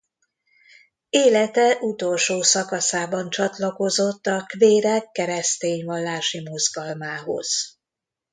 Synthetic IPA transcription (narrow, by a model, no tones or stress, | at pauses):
eːlɛt̪ɛʔut̪o̞lʃoːsɒkɒsaːbɒnt͡ʃɒt̪lɒko̞zot̪ːɒkveːɾɛkːɛɾɛst̪eːɲʋɒlːaːʃimo̞zɡɒlmaːɦo̞̰z̥